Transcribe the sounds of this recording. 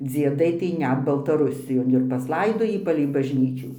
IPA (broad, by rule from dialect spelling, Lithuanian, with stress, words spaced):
d͡zʲiɛˈdɐɪ tɐɪ ˈnʲɛt bɐlˠtɐˈrʊsʲɪjoːn ɪr pɐsˈlˠɐɪdoːjiː pɐlʲɛɪ bɐʒʲˈnʲiːt͡ʃʲuː